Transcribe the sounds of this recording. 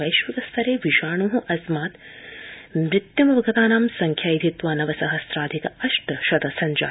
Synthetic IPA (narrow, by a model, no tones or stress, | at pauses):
ɐjʃʋɐd̪ɐst̪ʰɐɾeːʋiʃaːɳuːɦuʔɐsmaːt̪ | mɾɪt̪jɐmɐʋɐɡɐt̪aːnaːmsɐŋkʰjaːjid̪ʱit̪ʋaːnɐʋɐsɐɦɐsɾaːd̪ʱikɐɐʃʈɐʃɐd̪ɐsɐɲd͡ʒa̰ː